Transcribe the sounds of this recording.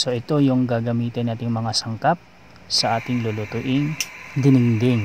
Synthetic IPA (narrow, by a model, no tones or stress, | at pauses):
so̞ʔɪt̪o̞jʊŋɡaːɡɐmiːt̪ɪnːaːt̪ɪŋmɐŋasɐŋkap̚ | sɐʔaːt̪ɪŋlolot̪ʊʔɪŋd̪ɪnɪŋd̪ɪŋ